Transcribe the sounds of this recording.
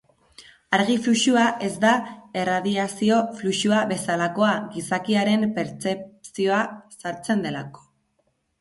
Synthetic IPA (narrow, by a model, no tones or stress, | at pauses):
aɾɣ̞ifluʃuaʔe̞zd̪ae̞raðiasio̞fluʃuaβe̞salako̞aɣisakiaɾe̞mpe̞ɾt͡se̞psio̞asaɾt͡se̞nd̪e̞la̰ko̥